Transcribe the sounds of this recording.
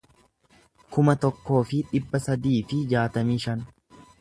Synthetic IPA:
kʊmɐt̪ɔkːo̞ːfɪᶑɪbːɐsɐd̪iːfɪd͡ʒaːt̪ɐmiːʃɐn

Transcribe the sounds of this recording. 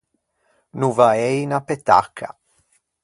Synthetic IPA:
nuvaejnapet̪a̰kʰa̰

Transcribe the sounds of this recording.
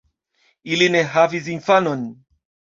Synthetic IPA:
ilineɦavizinfanon

